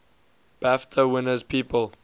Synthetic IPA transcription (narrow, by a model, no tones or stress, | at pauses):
b̥æftʰəwɪnəzpʰiːpəl